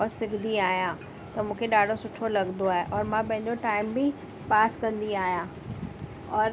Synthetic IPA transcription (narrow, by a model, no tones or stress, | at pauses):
ɔːɾsɪɡʱd̪iaːɦijã | t̪ɐmũːkʰeɗaːɖʱosʊʈʰolɐɡnd̪oaːɦeʔɔːɾmãpɐ̃ɦɪ̃ɲ̆d͡ʑoʈaːɪmbɪ | paːskɐ̃nd̪iaːɦijãː | ɔːɾ